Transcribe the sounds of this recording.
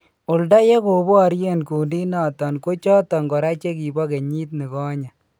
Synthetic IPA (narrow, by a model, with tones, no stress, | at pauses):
ʊ˨lda˦je˦ko˨bo˦a˨ɾje˦nku˨ndi˦na˨tɔ˨nko˦t͡ʃɔ˦tɔ˨ŋɡɔ˨ɾa˦t͡ʃe˦ki˨bɔ˦ke˨ɲiː˦t̬ne˨kɔ˦ɲa˨